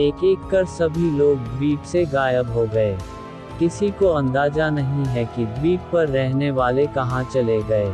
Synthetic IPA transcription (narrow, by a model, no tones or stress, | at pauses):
eːkeːkkːɐɾsɐbʱiloːɡ̚d̪ɾiːkseɡaːjəbɦoɡɐeː | kɪsikoɐ̃nd̪aːzanɐɦĩɦɛkid̪ɾiːk̚pɐɾːɛɦneʋaːlekɐɦãt͡ʃɐleɡɐeː